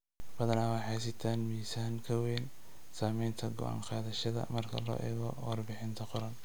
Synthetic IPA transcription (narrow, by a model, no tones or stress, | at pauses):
b̥ɐðɐnaːwɑħɑsɪt̪ʰaːnmiːsaːŋkʰɐwɛːn | saːmɛjnt̪ʰɐɡɔ̰ʔa̰ːŋqɑːðɐʃɐðɐ̰mɐrkʰɐ̰lɔ̰ːʔɛ̰ːɣɔwɑrbɪħɪnt̪ʰɐqɔɾɐn